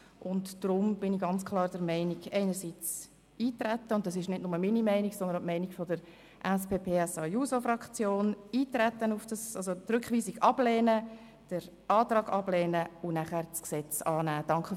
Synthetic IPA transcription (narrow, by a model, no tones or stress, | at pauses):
ʔʊntd̥ɾʊmb̥ɪniɡɑnt͡skʰlˠɑːɾd̥əɾmɛɪniɡɛɪnəɾsiːt͡s | iːt̪ɾæt̪ːəʊnt̚d̥ɑs̬ɪʃnɪdnʊməminimɛɪniɡsɔnd̪əntmɛɪniɡ̥fɔdəɾ | ʔɛspeːpʰeːɛsɑjusofɾɑkt͡sjoːniːt̪ɾɛtːənufd̥ɑsɑlzotɾʏkχʋiːsiɡɑb̥lɛːnə | d̥əɾ | ɑːt̪ɾɑːɡɑblɛːnəʊnæχæɾt͡sksɛt͡sɑːnæːd̥ɑŋkχə